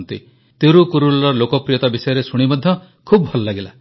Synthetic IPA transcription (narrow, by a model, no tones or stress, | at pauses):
nt̪ḭ | t̪eɾukuɾulɔɾɔlokɔpɾijɔt̪abisɔjɔɾesuɽ̃ibɔd̪ʱjɔ | kʰubɔbʱɔlɔlaɡela